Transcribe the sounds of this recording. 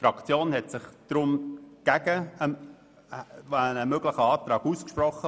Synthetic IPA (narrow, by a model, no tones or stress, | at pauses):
fɾɑkt͡sjoːnhɛtsɪχd̪̥ɾʊmɡ̥æɡəə | anəmøɡlɪχəɑːt̪ɾɑːɡ̥uskʃprɔχə